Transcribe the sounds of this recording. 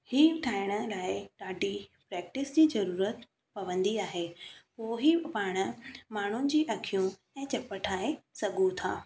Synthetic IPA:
hiːʈʰaːɪɽ̃ə̆laːɪɗaːɖʱipɾɛːk̚ʈɪsd͡ʑiːzɐɾuːɾət̪ | pɐʋə̃nd̪iaːɦeːpoːɦipaːɽ̃ə̆maːɳ̤ʊnɪ̆d͡ʑiːʔɐkʰijũ | ɛ̃ːt͡ɕɐpəʈʰaːesɐɡʱũt̪ʰa̰ː

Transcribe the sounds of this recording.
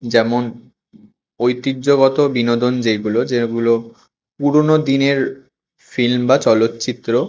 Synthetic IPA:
d͡ʑɛmon | ojt̪idːʑoɡot̪obinod̪ond͡ʑeɡulod͡ʑeɡulo | puɾonod̪ineɾ | filmbat͡ɕɔlot̪ːt͡ɕit̪ːɾo

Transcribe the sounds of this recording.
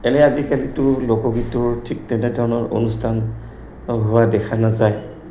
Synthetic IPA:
ɛlɛazikalitʊlokɔɡitʊɹtʰik̚tɛnɛdʱɔɹɔnɔɹo̰nustʰan | ɦowadɛkʰanazaj

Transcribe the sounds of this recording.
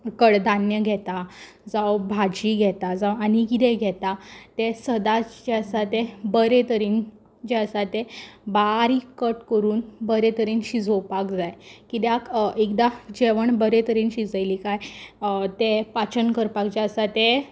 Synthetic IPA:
kəɽd̪ʱanjəɡʱɛt̪a | d͡zawbʱad͡ʑiɡʱɛt̪ad͡zawanikid̪eɡʱɛt̪at̪esəd̪ad͡ʑesat̪ebəɾet̪əɾiːn | d͡ʑeəsat̪ebaɾikəʈkəɾuːnbəɾet̪əɾiːnɕid͡zʱowpakd͡zajkit̪jakekd̪ad͡ʑeʋəɳbəɾet̪əɾiːnɕid͡zəjlikaj | t̪epat͡ɕənkəɾpakd͡ʑeəsat̪e

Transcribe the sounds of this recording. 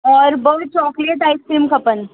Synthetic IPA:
ɔɾbəwt͡ɕɔːkleʈajskɾiːmkʰəpən

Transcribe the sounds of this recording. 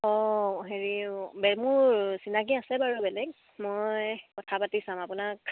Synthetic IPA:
ɔɦeɹibɛmʊɹsinak̬iasɛbaɹubɛlɛɡ | mɔjkɔtʰapatisãm̃apunak

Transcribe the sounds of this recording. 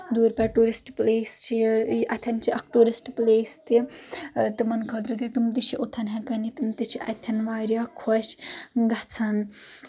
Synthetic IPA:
d̪uːɾpɐʈuːɾisʈpleːst͡ʃʰiʔɐt̪ʲʰɐnt͡ʃʰiʔɐkʰʈuːɾisʈpleːst̪i | t̪ɨmɐnkʰɐt̪ɾɨt̪it̪umt̪it͡ʃʰiʔot̪ʰɐnɦɐkɐnit̪umt̪it͡ʃʰiʔɐ̰t̪ʰɐnʋaːɾʲjakʰɔʃɡɐt͡sʰɐn

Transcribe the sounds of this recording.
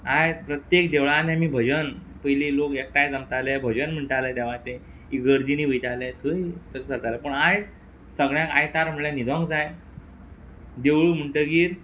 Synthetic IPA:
aj̪pɾət̪jek̚d̪eʋɭanemiːbʱəd͡ʑən | pəjlilokek̚ʈajd͡zamt̪alɛbʱəd͡ʑənm̤əɳʈaled̪eʋat͡sẽ | iɡəɾd͡ʑiniːʋəjʈ̪alɛ̃t̪ʰəit̪əsat̪aləpəɳaj | səɡɭjãkajt̪aɾm̤əɭẽnid̪ʱʋãŋkd͡zaj | d̪eʋɭum̤əɳʈəɡiːɾ

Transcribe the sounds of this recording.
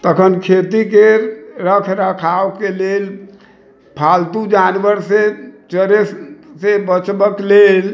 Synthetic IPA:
t̪əkʰənkʰet̪ikeɾəkʰɾəkʰaokelel | pʰalt̪ud͡ʒanʋəɾset͡ʃəɾessebət͡ʃbəklel

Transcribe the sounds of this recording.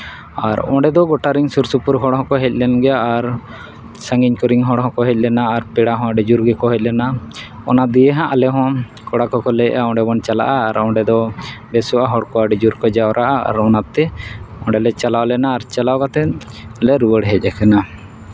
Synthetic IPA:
aɾɔ̰̃ɖɛd̪ɔɡɔʈaɾiŋsuɾsupuɾɦɔɽɦɔ̃kɔɦɛc̚ˀlɛnɡɛaːɾ | sə̃ŋɡiɲkɔɾiŋɦɔ̃ɽɦɔ̃kɔɦɛc̚ˀlɛnaːɾpɛɽaɦɔ̃aɖid͡ʒuɾɡɛkɔɦɛc̚ˀlɛnaɔ̰nad̪ijɛɦãʔalɛɦɔ̃ | kɔɽakɔkɔlɛʔaɔ̃ɖɛbɔnt͡ʃala̰ʔaːɾɔ̃ɖɛd̪ɔbɛsɔʔaɦɔɽkɔaɖid͡ʒuɾkɔd͡ʒawɾaʔaa̰ɾɔnat̪ɛɔ̃ɖɛlɛt͡ʃalawlɛnaːɾt͡ʃalawɡat̪ɛ | lɛɾuwəɽɦɛc̚ˀɛkɛna

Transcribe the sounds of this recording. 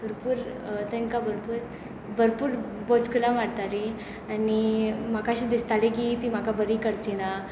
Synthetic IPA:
bʱəɾpuːɾt̪əŋkabʱəɾpuɾ | bʱəɾpuːɾbɔt͡skəlamaɽt̪aɾi | animakaɕiːd̪ist̪alekit̪im̤akabəɾikəɽt͡ɕina

